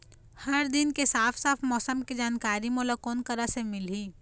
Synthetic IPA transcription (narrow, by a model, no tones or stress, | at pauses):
hɐɾd̪ɪnkesaːfsaːfʰmɔːsəmkid͡ʒaːnkaːɾimoːlakɔːnkɐɾasemɪliː